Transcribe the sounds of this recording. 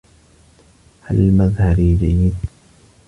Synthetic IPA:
halmaðhaɾiːd͡ʒajːɪd̪

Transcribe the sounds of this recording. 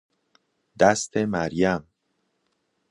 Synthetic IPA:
d̪æst̪ʰemæɾjæm

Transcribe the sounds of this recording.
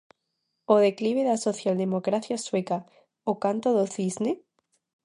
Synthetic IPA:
oðekliβ̞eðasoθjald̪emokɾaθjasweka | okant̪oðoθizne

